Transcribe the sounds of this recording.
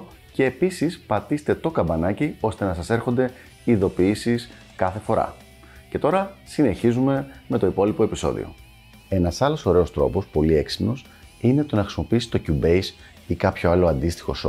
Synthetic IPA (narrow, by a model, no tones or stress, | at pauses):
ce̞ːpisispɐt̪ist̪e̞t̪o̞kɐbɐnɐcio̞st̪e̞nɐsɐse̞ɾxo̞nd̪e̞ | iðo̞piisis | kɐθe̞fo̞ɾɐ̰ | ce̞t̪o̞ɾɐsine̞çizume̞me̞t̪o̞ipo̞lipo̞episo̞̰ðḭo̞̰ | e̞nɐsɐlo̞so̞ɾe̞o̞st̪ɾo̞̰po̞spo̞lie̞ksi̥pno̞s | ine̞t̪o̞nɐxɾisimo̞piisi̥t̪o̞cubejs | ikɐpço̞ɐlo̞ɐnd̪ist̪i̥xo̞̰so̰